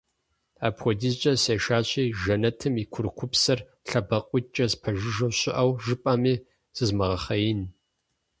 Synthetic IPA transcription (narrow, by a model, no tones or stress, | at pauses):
aːpxʷɔdizt͡ʃʼɐseːʃaːɕʼiːʒɐnɐtʰɨmikʷʰʊɾkʷʰʊpsɐr | ɬɐbɐqʷʼʊt͡ʃʼɐzpʰɐʒɪʒɐwɕʼɪʔɐwʒɨpʼɐmiː | z̥ɨzmɐʁɐχɐjɪn